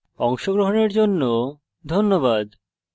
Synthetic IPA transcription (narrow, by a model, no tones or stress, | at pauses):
ɔŋʃoɡɾoɦoneɾd͡ʑonːo | d̪ʱonːoβad̪